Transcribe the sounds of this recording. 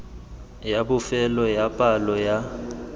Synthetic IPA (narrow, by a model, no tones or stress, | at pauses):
jabʊfɛlɔjapʼalɔja